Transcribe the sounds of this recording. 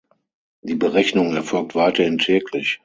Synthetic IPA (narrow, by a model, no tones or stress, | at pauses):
d̥iːbəʁɛçnʊŋɛɐfɔlk̚tv̥aɪtɐhɪntʰɛːklɪç